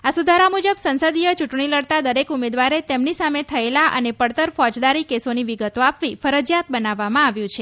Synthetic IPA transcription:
asud̪ʱaɾamud͡ʒəbsənsəd̪ijət͡ʃuʈɳ̃iləɽt̪ad̪əɾekumed̪ʋaɾet̪emnisamet̪ʰəelaʔə̰nepəɽt̪əɾfɔd͡ʒd̪aɾikesoniʋiɡət̪oapʋifəɾəd͡ʒjat̪̚bənaʋːamãaʋjũt͡ʃʰe

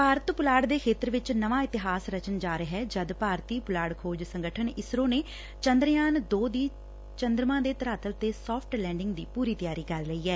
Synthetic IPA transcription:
paːɾət̪pʊlaːɽd̪eːkʰeːt̪əɾʋɪt͡ʃnəʋãːɪt̪ɪɦaːsɾət͡ʃənd͡ʒaːɾəɦɛːd͡ʒəd̪paːɾt̪iːpʊlaːɽkʰoːd͡ʒsəŋɡəʈʰənɪsɾõːneː | t͡ʃənd̪ɾjaːnd̪oːd̪iː | t͡ʃənd̪ɾmãːd̪eːt̪əɾaːt̪əlt̪eːsɔːpʰʈlɛ̃ːɳɖɪŋɡd̪iːpuːɾiːt̪ɪjaːɾiːkəɾləiːɛː

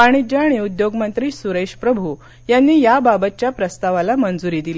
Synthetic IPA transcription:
aɽ̃id͡ʑaːɽ̃iud̪joɡmənt̪ɾiːsuɾeɕpɾəbʱu | janːiːjababət̪̚t͡ɕjapɾəst̪aʋalamənd͡zuɾiːd̪ile

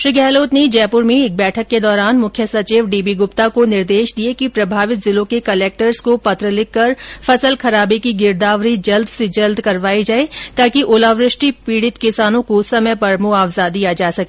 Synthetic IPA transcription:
ʃɾiɡɛːloːt̪ned͡ʒɛːpʊɾmẽɪːk̚bɛːʈʰəkːed̪ɔːɾaːnmʊkʰjəsɐt͡ʃiːʋɖiːbiɡʊpt̪akonɪɾd̪eːʃd̪iekipɾɐbʱaːʋɪt̪zɪlõkekɐleːk̚ʈəɾskopɐt̪ɾəlɪkːɐɾfɐsəlkɐɾaːbikiɡɪɾd̪aːʋɾid͡ʒɐld̪ʱsed͡ʒɐld̪kɐɾʋaːid͡ʒaːet̪aːkiʔoːlaːʋɾɪʃʈipiːɽɪt̪kɪsaːnõkosɐməjpɐɾmoaːʋzad̪ijad͡ʒaːsɐkeː

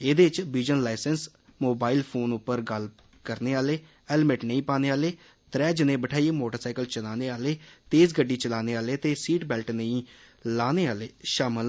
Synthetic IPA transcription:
eːd̪eːɪt͡ʃbiːd͡ʒənlaːɪsəns | moːbaːilpʰoːnʊpːəɾɡəl | kəɾneːaːleː | ɛlmɪʈnə̃ĩːpaːneːaːleː | t̪ɾɛːd͡ʒɪnẽːbəʈʰaːieːmoːʈəɾsaːɪkəlt͡ʃəlaːneːaːleːt̪eːzɡəɖːiːt͡ʃəlaːneːaːleːt̪eːsiːʈbɛːlʈnə̃ĩː | aːneːaːleːʃaːməl

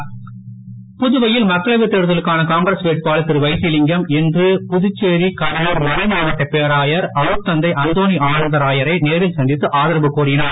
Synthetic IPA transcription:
pʊðʊʋɐjɪlmɐkːɐɭɐʋɪt̪ːeɾɯðɐlɯkːaːnɐkaːŋɡɾɐsʋeːʈ̚paːlɯt̪ːɪɾɯʋɐɪsɪlɪŋɡɐmɛndrɯpʊðʊt͡ʃːeːɾikɐɾɐnɐɾmʊɾɪmaːnɐʈːɐpːejɐɾaːjɐɾɐɾɯp̚t̪ːɐnd̪ɐɪʔɐnd̪oːniaːnɐnd̪ɐɾaːjɐɾɐɪneːɾɪlsɐnd̪ɪt̪ːɯʔaːðɐɾɐbɯkːuːrɪjɪnaː

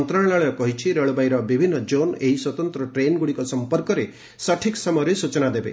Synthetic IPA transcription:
nt̪ɾaɳlaɭɔjɔkɔɦit͡ʃʰiɾeɭbajɾɔbibʱinːɔd͡ʒoneɦiswɔt̪ɔnt̪ɾɔʈɾenɡuɽikɔsɔmpɔɾkɔɾe | saʈʰiksamɔjɔɾesut͡ʃɔnad̪ebḛ

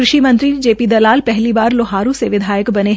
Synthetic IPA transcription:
ɾʊʃimə̃nt̪ɾid͡ʒeːpid̪ɐlaːlpɛɦlibaːɾloɦaːɾũseʋɪd̪ʱaːjəkbɐneɦ

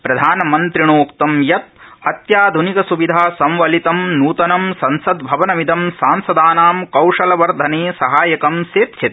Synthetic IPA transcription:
pɾɐd̪ʱaːnɐmɐnt̪ɾiɳoːkt̪ɐmjɐt̪̚ɐt̪jaːd̪ʱunikɐsuʋid̪ʱaːsɐ̃mʋɐlit̪ɐmnuːt̪ɐnɐmsɐnsɐd̪bʱɐʋɐnɐʋid̪ɐmsaːnsɐd̪aːnaːmkɐwʂɐlɐʋɐɾd̪ʱɐneːsɐɦaːjɐkɐmseːt̪t͡ʃʰit̪

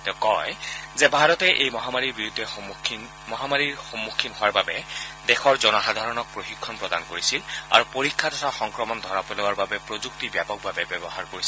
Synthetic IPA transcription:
tɛkɔjzɛbʱaɹɔtɛʔejmɔɦamaɹiɹbiɹudʱːɛxkʰin | mɔɦamaɹiɹxomːukʰːinɦoaɹbabɛdɛxɔɹzɔnɔxad̪ʱaɹɔnɔk̚pɹoxikʰːɔnpɹɔda̰nkoɹisila̰ɹupoɹikʰːatɔtʰaxɔŋkɹɔmɔndʱɔɹapolowaɹbabɛpɹozuk̚tibjapɔk̚babɛbɛbɔhaɹkoɹisi

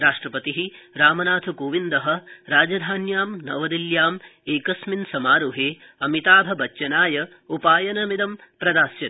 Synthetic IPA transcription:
ɾaːʂʈɾɐpɐt̪iɦiɾaːmɐnaːt̪ʰɐkoːʋind̪ɐɦɐɾaːd͡ʒɐd̪ʱaːnjaːmnɐ̰ʋɐd̪iljaːmeːkɐsminsɐmaːɾuɦeː | ɐmit̪aːbʱɐbɐt͡ʃːʃɐnaːjɐ | upaːjɐnɐmid̪ɐmpɾɐd̪aːsjɐn

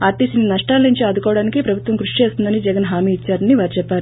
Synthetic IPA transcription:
aːɾt̪isinɐnɐʂʈaːlnuɲt͡ʃiɐd̪ukɔːʋɐɽaːnikipɾɐbʱut̪ʋɐmkɾuʂit͡ʃeːst̪und̪ɐnid͡ʒɛɡɐnɦaːmiːt͡ʃːaːɾɐniʋaːɾit͡ʃɛpːaːɾu

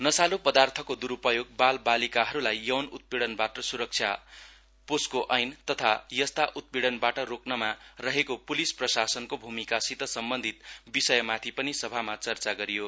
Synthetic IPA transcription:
nʌsalopʌd̪art̪ʰʌkod̪uɾupʌjoɡ̚balbalikaɦʌɾulajːʌwnut̪̚piɽʌnbaʈʌsuɾʌk̚t͡sʰja | poskoʔʌjnt̪ʌt̪ʰajʌst̪aʔut̪̚biɽʌnbaʈʌroknʌmarʌɦekopulisprʌsasʌnkobʱumikasit̪ʌsʌmbʌnd̪ʱit̪bisʌjʌmat̪ʰipʌnisʌbʱamat͡sʌrt͡saɡʌɾijo

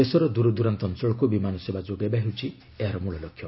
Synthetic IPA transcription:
esɔɾɔd̪uɾɔd̪uɾant̪ɔnsɔɭɔkubimanɔsebad͡ʒoɡajbaɦewt͡ʃʰi | eɦaɾɔmuɭɔlɔkʰːjɔ

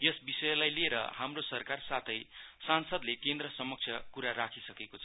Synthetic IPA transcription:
jʌsbisʌjʌlajlieɾʌ̰hamrosʌrkarsat̪ʰʌjsansʌd̪lekend̪rʌsʌmʌk̚t͡sʰjʌkuɾaɾakʰisʌkekot͡sʰʌ

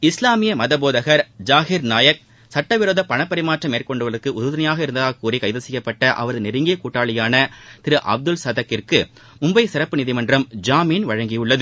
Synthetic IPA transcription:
ɪslaːmɪjɐmɐðɐboːðɐɣɐɾd͡ʒaːɣɪɾnaːjɐk̚ | sɐʈːɐʋɪɾoːðɐpːɐɳɐpːɐɾɪmaːʈrɐmeːɾkɔɳɖɯʋɐɾɯkːɯʔʊðɐðɐnɐjaːɣɐɪɾɯnd̪ɐðaːkːuːrikɐjðɐsɛjːɐpːɐʈːɐʔɐ̰ʋɐɾɐðɯnɪɾɯŋɡijkuːʈːaːɭɐjaːnɐt̪ɪɾɯʔɐ̰b̚d̪ɯlsɐðɐkːɪrkɯ | ʊmbɐɪsɪɾɐpːɯnɪðɪmɐndrɐmd͡ʒaːmiːnʋɐɻɐŋɡɪjɯɭːɐðɯ

